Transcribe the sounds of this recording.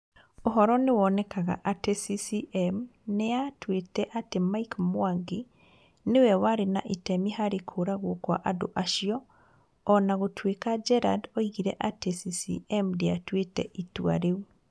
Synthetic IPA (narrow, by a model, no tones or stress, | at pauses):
oɦɔɾɔnewɔnɛkaɣa̰ʔatesisiʔɛmneatwetɛʔatemaikmwaŋɡe | newɛwaɾena̰ʔetɛmihaɾekʰoɾaɣwokwa̰ʔado̰ʔaʃiɔː | naɣotʰwekad͡ʒɛɾa̰doiɣiɾɛʔatesisḭɛmdeatwetɛ̰ʔitwa̰ɾeu